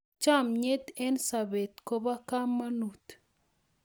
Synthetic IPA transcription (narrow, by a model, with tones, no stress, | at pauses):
t͡ʃa˦˨mɲe˦t̪e˦nsa˨be˨t̪ko˦ba˦ka˦mːa˦nu˨t̪